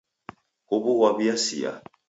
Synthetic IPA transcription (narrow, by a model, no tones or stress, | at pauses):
kobuwabiasija̰